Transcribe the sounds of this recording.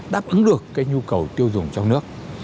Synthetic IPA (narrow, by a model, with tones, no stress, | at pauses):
ɗaː˦˥p̚ʔɨ˨˦ŋɗɨ˨˩əkːaː˨˦˥jɲu˧kə˨˩wt̪i˧əwzʊ˨˩ŋ͡mt͡ɕɔ˧wŋ͡mnɨ˦˥ək̚